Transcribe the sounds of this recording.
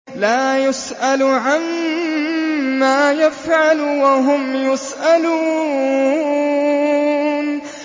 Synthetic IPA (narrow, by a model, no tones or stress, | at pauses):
laːjʊsʔalʕan | aːjafʕalwaɦʊmjʊsʔaluː | n